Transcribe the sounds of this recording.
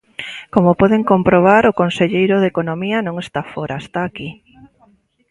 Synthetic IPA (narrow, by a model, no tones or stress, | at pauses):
komopɔðeŋkompɾoβ̞aɾʊkonseʎejɾʊðekonomiɐnõŋest̪afoɾaest̪aːki